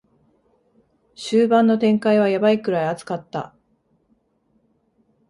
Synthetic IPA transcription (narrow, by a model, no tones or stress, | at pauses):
ɕɨːbãnːo̞t̪ẽ̞ŋkaiβ̞ajabaikɯ̟ɾaiat͡sɨ̥kat̪ːa̰